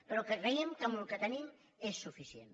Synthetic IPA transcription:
pəɾokəkɾeiemkamulkət̪ənim | esːufisjḛn

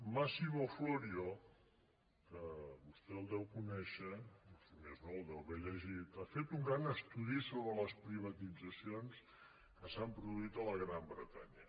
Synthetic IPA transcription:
masiβofloɾio | kəβust̪ɛəlˠd̪ɛwkunɛʃəosimeznoəlˠd̪ɛwβeʎəʒit̪afet̪uŋɡɾanəst̪uðisoβɾələspɾiβ̞ət̪id͡zəsions | kəsampɾuðuit̪ələɣɾambɾət̪aɲə

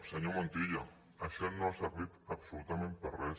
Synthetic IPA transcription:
saɲomõnt̪iʎo | aʃelnoaseɾβit̪absolut̪amẽnt̪̚peres

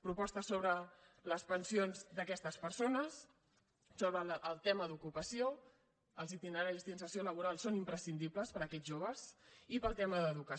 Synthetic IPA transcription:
pɾupɔst̪əsoβɾə | ləspənsionzd̪əkɛst̪əspəɾsonəs | soβɾəʔəlˠt̪ɛməðukupəsio | əlˠzit̪inəɾaɾizd̪insəsioləβ̞uɾalˠsonimpɾəsind̪ipləspəɾəkɛʒoβ̞əzipəlˠt̪ɛməðəðukə

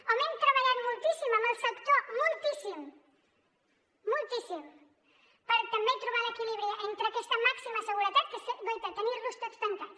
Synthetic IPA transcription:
omẽnt̪ɾaβaʎaɾmult̪isimomefakt̪omolt̪isim | olt̪isim | paɾat̪ambẽjt̪ɾuβaɾekiliβɾiʔent̪ɾeakest̪amaksimaseɣuɾet̪at̪keseɡojt̪et̪anirust̪ekspant̪aɾ

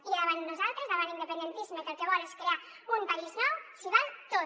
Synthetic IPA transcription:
ilaðaβannuzalˠt̪ɾezðaβanind̪əpend̪ent̪isimepelkeβɔɾeskɾea | umpaiznɔwsiβalt̪o

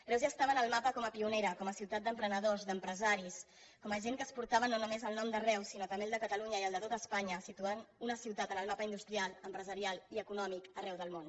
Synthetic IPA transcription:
lɾɛwzast̪aβənəlˠmapəkɔməpiuneɾəkɔməsiwt̪at̪̚d̪əmpɾənəðozd̪əmpɾəzaɾis | kɔməʒeŋkəspuɾt̪aβənonumezəlˠnɔmd̪ərɛwsinot̪əmbelˠd̪əkət̪əluɲəiəlˠd̪ət̪ot̪əspaɲəsit̪uanunəsiwt̪at̪ənəlˠmapəind̪ust̪ɾialˠəmpɾəzəɾialˠiəkunɔmikərɛwðəlˠmon

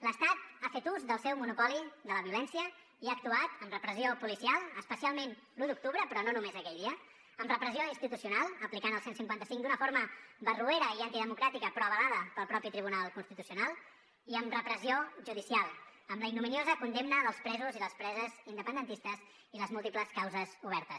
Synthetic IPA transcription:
ləst̪at̪afet̪uzðəlˠsɛwmunupɔliðələβiulɛnsiə | iak̚t̪uat̪əmrəpɾəziopulisialˠəspəsialˠmen | luðuk̚t̪uβɾəpɾɔnonumezəkɛʎðiə | əmrəpɾəzijoinst̪it̪usiunalˠəplikanəlˠsensiŋkwant̪əsiŋkd̪unəfoɾməβərueɾəiant̪iðəmukɾat̪ikəpɾɔəβəlaðəpəlˠpɾɔpit̪ɾiβ̞unalˠkunst̪it̪usiunalˠ | iəmrəpɾəzioʒuðisialˠəmləinuminiozəkund̪emnəðəlˠspɾɛzuziləspɾɛzəzind̪əpənd̪ənt̪ist̪əz | iləzmulˠt̪ipləskawzəzuβɛɾt̪əs

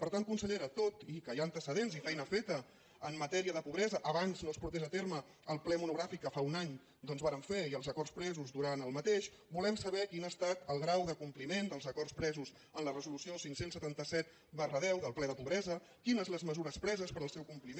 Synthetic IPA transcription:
pəɾt̪anŋt̪kunsəʎeɾət̪ot̪ikəjaənt̪əsəðenzifɛjnəfet̪ə | əmːət̪ɛɾiəðəpuβɾɛzəʔəβanznospuɾt̪ezət̪eɾmə | əlˠplɛmunuɣɾafikːəfaunaɲ | d̪ɔnzβaɾəɱfeiəlˠzəkɔrspɾɛzuzðuɾanəlˠmət̪eʃ | bulɛmsəβɛkinaːst̪at̪əlˠɣɾawðəkumplimend̪əlˠzəkɔrspɾɛzus | ənlərəzulusiosiŋsensːət̪ant̪əsɛt̪̚ | bərəðɛwðəlˠplɛðəpuβɾɛzə | kinəzləzməzuɾəspɾɛzəspəɾəlˠsɛwkumplim

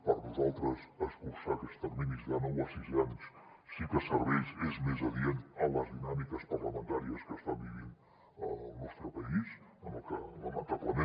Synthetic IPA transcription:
paɾnuzalˠt̪ɾəzəskuɾsakəst̪ərminizðanəwəsizɛns | sikəsəɾβɛjzezmezəðient̪ələzðinamikəspəɾləmənt̪aɾiəskəst̪abiβin | ənɔst̪ɾəpəis | ənokələmant̪əplənɛ

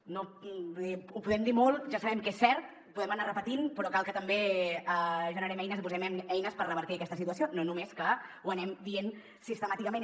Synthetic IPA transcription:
noiupuðɛmd̪imolˠʒasəβɛmkesːɛɾt̪ | puðɛmənarəpət̪inpɾɔkalˠkət̪əmbeəʒənəɾɛmɛjnəzipuzɛmɛmɛjnəspərəβəɾt̪iəkɛst̪əsit̪uəsiononumeskəuənɛmd̪ien | sist̪əmat̪ikəmẽn

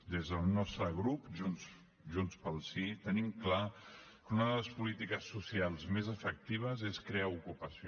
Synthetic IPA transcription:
d̪ezðəlˠnɔst̪ɾəɣɾupʒuns | ʒunspəlˠsit̪ənimkla | kunəðələspulit̪ikəsːusialˠzmezəfək̚t̪iβ̞əzeskɾeaukupəsi

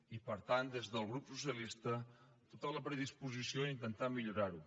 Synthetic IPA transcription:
ipəɾt̪and̪ezðəlˠɣɾupsusjəlist̪ə | t̪ot̪ələpɾəðispuzisioint̪ənt̪amiʎuɾaɾu

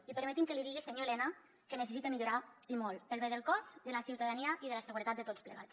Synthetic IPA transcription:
ipəɾmet̪imkəliðiɣiseɲoelɛna | kənəsesit̪emiʎuɾaimɔləlβeðəlˠkɔzd̪əlasiwt̪aðaniaʔiðələsəɣuɾət̪at̪̚d̪ət̪ott͡sspləɣat̪

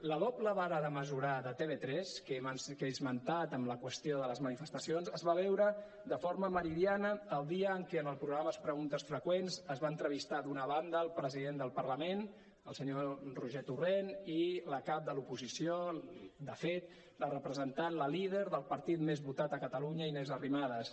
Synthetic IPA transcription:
ləðopləβaɾəðəməzuɾaðət̪eβet̪ɾɛskekezmənt̪at̪əmləkwəst̪ioðələzmənifəst̪əsionzəzβaβ̞ɛwɾə | d̪əfoɾməməɾiðjanəːlˠd̪iəːŋkeənəlˠpɾuɣɾaməspɾəɣunt̪əsfɾəkwenzəzβaənt̪ɾəβ̞ist̪ad̪unəβ̞and̪əːlˠpɾəziðend̪əlˠpərləmen | əlˠsəɲoruʒɛt̪ureniləkap̚d̪əlupuzisiod̪əfet̪̚ | lərəpɾəzənt̪anləliðeɾðəlˠpəɾt̪it̪mezβut̪at̪əkət̪əluɲəimezərimaðəs

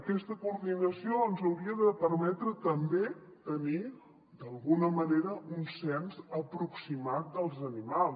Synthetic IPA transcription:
əkɛst̪əkurðinəsioənzəwɾiəðəpəɾmɛt̪ɾət̪əmbet̪əni | d̪əlˠɣunəməneɾəunsɛnzəpɾuksimat̪̚d̪əlˠzənimalˠ

